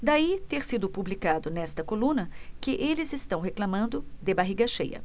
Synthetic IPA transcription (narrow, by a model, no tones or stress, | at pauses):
d̪ait̪eɾsid̪ʊpublikad̪ʊnɛst̪ɐkolũnɐkɪʔelɪzɪst̪ɐ̃w̃ɦeklamɐ̃nd̪ʊd̪ebaɦiɡɐʃḛjɐ̰